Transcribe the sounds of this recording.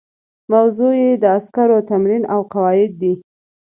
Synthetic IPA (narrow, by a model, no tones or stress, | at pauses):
mawzojed̪əaskaɾot̪amɾinawqawɑjɪd̪̚ːi